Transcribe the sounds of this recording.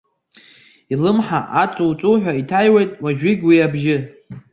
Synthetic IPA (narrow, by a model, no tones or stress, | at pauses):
ilɨmħaʔat͡sʼuwt͡sʼuħʷᶣaitʰajwejtʼwaʒᶣɪɡʲwiabʒɪ